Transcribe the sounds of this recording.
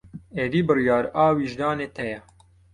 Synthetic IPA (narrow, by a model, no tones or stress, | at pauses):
eːd̪iːbɨrjɑːɾaːwiːʒd̪ɑːneːt̪ʰɛjɛ